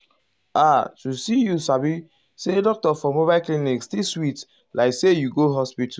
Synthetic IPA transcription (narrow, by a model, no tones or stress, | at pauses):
atusijusabi | sedɔk̚tɔfɔmobaɪlklinikstiswit | laɪksejuɡoɦɔspitʰu